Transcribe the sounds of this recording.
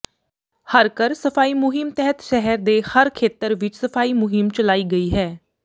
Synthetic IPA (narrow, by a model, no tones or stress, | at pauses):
həɾkəɾsəpʰaːiːmʊɦɪmt̪ɛɦət̪ʃɛɦəɾd̪eːhəɾkʰeːt̪əɾʋɪt͡ʃsəpʰaːiːmʊɦɪmt͡ʃəlaːiːɡəiːɦɛː